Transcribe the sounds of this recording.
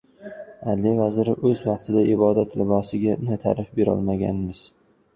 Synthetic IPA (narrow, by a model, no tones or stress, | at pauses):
allːevazɾɪʔɵzvɑq̚t̪ʰɪd̪aʔɪbɒd̪at̪lɪbɒsɪɡʲanat̪ʰa̰ɾɪfbe̞ɾɒ̰lˠmaɡʲa̰nmɪz̥